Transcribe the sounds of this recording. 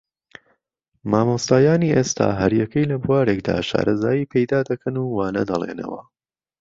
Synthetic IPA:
maːmost̪aːjaːniːʔeːst̪ʰa̰ːɦɐɾjɐkəjlɐbuaːɾekd̪a̰ːʃa̰ːɾɐzaːjiːpʰejd̪aːd̪ɐkʰɐnuːwaːnɐ̰d̪ɐlˠḛnɐ̰wɐ

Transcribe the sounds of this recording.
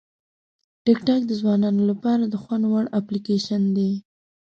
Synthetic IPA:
ʈɪkʈɑk̚d̪əzwɑnɑnolapɑɾad̪əxwanwaɽaplikeʃand̪e

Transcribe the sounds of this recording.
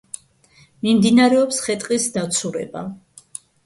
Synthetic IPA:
mimd̪inaɾɛɔpsχɛt̪ʼqʼisd̪at̪sʰuɾɛ̰ba̰

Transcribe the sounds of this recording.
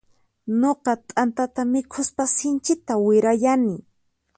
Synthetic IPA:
noqɑt̪ʼant̪at̪amɪkʰʊspasɪnt͡ʃɪt̪awɪɾajanɪ

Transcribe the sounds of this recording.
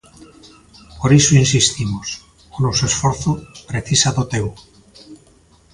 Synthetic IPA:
poɾisoinsist̪imos | onosuesfoɾθupɾe̞θisaðot̪eɣu

